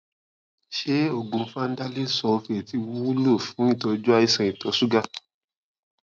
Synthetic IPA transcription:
ʃe˦o˦˨ɡũ˨˧˦fa˦n̩˦da˦li˦sɔ˧fe˨ti˧wu˦u˦lo˦˨fũ˨˦i˦˨tɔ˧d͡ʒɔ˦a˧i˧sɛ̃˨˧i˨tɔ˨˦su˦ɡa˧

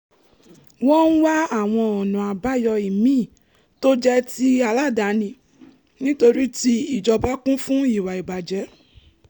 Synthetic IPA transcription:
wɔ̃˦n̩˦wa˦a˦˨w̃ɔ̃˧ɔ˨nũ˨a˨ba˨˦jɔ˧i˨mĩː˦˨ | to˦d͡ʒɛ˦ti˦a˧la˦˨da˨˦nĩ˧ | nĩ˦to˧ɾi˦ti˦i˦˨d͡ʒɔ˧ba˦kũ˦fũ˦i˦˨wa˨i˨ba˨d͡ʒɛ˨˦

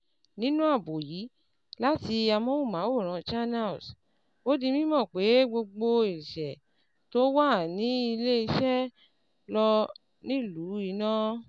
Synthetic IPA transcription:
nĩ˦nũ˦a˦˨bo˨jiː˨˦ | la˦ti˧a˧mɔ̃˦wu˦˨mã˨˦o˦˨ɾ̃ã˨˧t͡ʃa˦na˦˨s | o˦di˧mĩ˦mɔ̃˦˨k͡pe˨˦ɡ͡bo˧ɡ͡bo˧i˨ʃɛ˨ | to˦wa˦˨nĩ˨˦i˧le˦i˧ʃɛ˦ | lɔ˧ | nĩ˦˨lu˨˦i˨nã˦

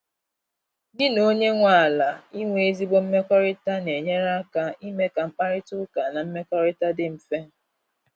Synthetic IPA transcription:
dɪ˦no˦ɲe˦ŋʷa˦˨a˨la˨i˦ŋʷe˦e˦zi˦ɡ͡bo˦m̩˦me˦kɔ˦ɾɪ˦ta˦ne˨ɲe˦ɾa˦ka˦i˦me˦ka˨ŋ͡m̩˦k͡pa˦ɾɪ˦tʊ˦ka˨na˨m̩˦me˦kɔ˦ɾɪ˦ta˦dɪ˦m̩˨fe˦˨

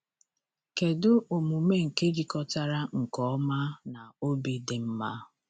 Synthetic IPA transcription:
ke˨dʊ˦o˨mu˨me˦ŋ̩˨ke˦ɾi˨kɔ˦ta˦ɾa˦ŋ̩˨kɔ˨ɔ˦ma˦na˨o˦bi˨dɪ˨m̩˦ma˦

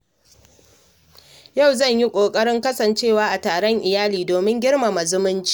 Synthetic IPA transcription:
ja˦˨wzɐ˦˨ɲji˦kʷʼoː˨kʼɐ˦ɽɪ˦ŋkɐ˦sɐ˨nt͡ʃeː˦˨waː˦ʔa˨taː˨ɽɔ˦ŋʔɪ˨jaː˦liː˨doː˨mɪ˦ŋɡʲɪ˦ɽma˨ma˨zʊ˦mʊ˦nt͡ʃi̥ː˦

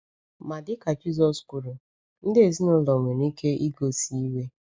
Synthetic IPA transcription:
ma˨dɪ˦ka˨d͡ʒi˦zɔ˦sku˨ɾu˨ | n̩˦dɪ˦e˨zi˦nʊ˦lɔ˨m˨e˨ni˦ke˦i˦ɡo˨si˦i˦we˦

